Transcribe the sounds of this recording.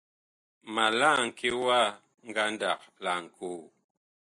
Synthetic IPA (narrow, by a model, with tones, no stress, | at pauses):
ma˨la˦˨ŋ̩˨ke˦wa˦˨ | ŋ̩˦ɡa˦n˦da˨k̚la˨ŋ̩˨kʰo˦˨